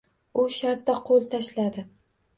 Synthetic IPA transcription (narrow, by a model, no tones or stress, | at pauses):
ʊʃaɾt̪ːaqʰolˠt̪ʰaʃlad̪ɪ